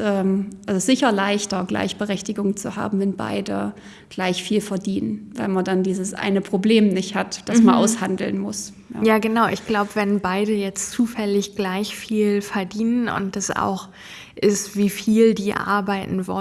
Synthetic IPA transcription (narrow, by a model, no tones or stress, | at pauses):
ʔɛːmʔalzsz̥ɪçɐlaɪçtɐɡla̰ɪçb̥əʁɛçtɪɡʊŋt͡suha̰ːbm̩vɛnba̰ɪdə̰ | ɡ̥laɪçfiːlfɛɐdiːnənvaɪlmandandiːzəsʔa̰ɪnəpʁ̥obleːmnɪçthatd̥asmanʔa̰ʊshandl̩nmʊ̰s | ja̰ːjaːɡənaʊʔɪçɡ̥laʊbəvɛnbaɪdəjɛt͡st͡suːfɛlɪçɡ̥laɪçfiːlfɛɐdiːnənʊ̰nt̚d̥asʔa̰ʊx | ʔɪstv̥iːfiːldiːʔa̰ɐbaɪtn̩vɔ̰